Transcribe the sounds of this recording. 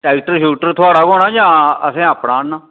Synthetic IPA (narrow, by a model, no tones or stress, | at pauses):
ʈɛːkʈəɾʃuːʈəɾt̪ʰʊaːɽaːkoːɽaːd͡ʒãːəsẽːaːpnaːnãː